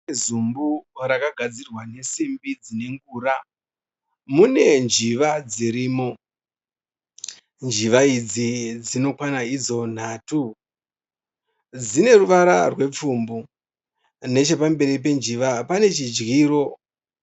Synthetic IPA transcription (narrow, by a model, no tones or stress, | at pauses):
zumbuɾakaɡʱad͡zirwane̞simbid͡zine̞ŋɡuːɾa | mune̞nd͡ʒiʋad͡ziɾiːmo̞ | nd͡ʒiʋaid͡zid͡zino̞kwanaid͡zo̞n̤aːtu | d͡zine̞ruʋaɾa̰rwe̞p͡fumbu | ne̞t͡ʃe̞pambe̞ɾip̬e̞nd͡ʒiʋapane̞t͡ʃid͡ʒɣiːɾo̞